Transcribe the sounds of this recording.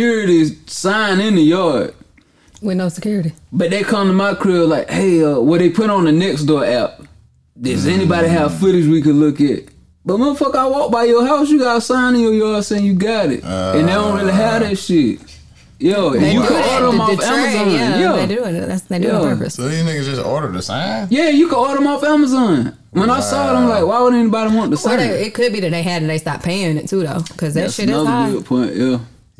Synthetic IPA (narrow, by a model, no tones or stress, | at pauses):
kʰjʊɹɨɾisãɪ̃nɪ̃nðɨjɔɹ | wɪnoʊsəkʰj̥ʊɹɨɾib̥ʌt̪̚ðeɪkʰʌ̃mtʰəmaɪkʰɹ̥ɛlaɪkheɪʌwə̃ðeɪpʰʊɾn̩ðɨnɛksd̥ɔʔaʊt̚ | ðə˞zɛnibɑɾiɦav̥fʊɾɨzwikɨdˡlʊkɨ̰t̚ | b̥ʌt̚wə̃nfʌkaɪwɔk̚b̥aɪjə˞ɦaʊs̬jɨɡɑɾəsãɪ̃nɨ̃njə˞jɑɹsẽnjɨɡɑɾɪ̰t̚ɨ̃nðeɪɾõʊ̃nɹɪlˠiɦæɾɪʃɪt̚ | jæɨ̃jɨkɨɾɔɹɾə˞ə̃mɔæməzɑ̃njædɪt̚ðæ̰tsðejæə˞vɨ̰sɨmekd͡ʒʌstɔ̰ɹɾə˞ɾɨsãnjæjɨkəɾɔɹɾə̃mɔfæməzɑ̃n | wə̃naɪsɔɾãmlaɪkwaɪwʊdⁿn̩ɛnibɑɾiwɑ̃ntðəsãnɪt̚kʰɨd̚biðɨt̪̚ðeɪɨɾn̩ðeɪstɑt̚pʰeɪɪ̃ŋɨtʰuðoʊkʰʌzðæsnʌðəɡɪd̚pʰɔ̃ɪ̃njæ